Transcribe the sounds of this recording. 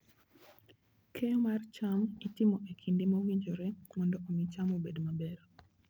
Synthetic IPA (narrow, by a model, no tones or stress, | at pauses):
kʰɛomart͡ʃamitɪmɔʔekʰindimawiɲd͡ʒoɾɛmɔndɔʔomɪt͡ʃamobedmabɛɾo